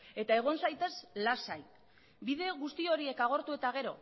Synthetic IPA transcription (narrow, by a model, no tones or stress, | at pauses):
e̞t̪ae̞ɣ̞o̞nsajt̪e̞zlasaj | bið̞e̞ɣust̪io̞ɾie̞kaɣ̞o̞ɾt̪ue̞t̪aɣ̞e̞ɾo̞̰